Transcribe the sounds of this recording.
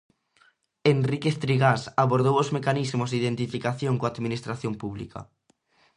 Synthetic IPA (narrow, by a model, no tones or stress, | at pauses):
enrikest̪ɾiɣasaβoɾð̞owozmekanizmʊzd̪iðent̪ifikaθjoŋkoaðminist̪ɾaθjompuβlḭka̰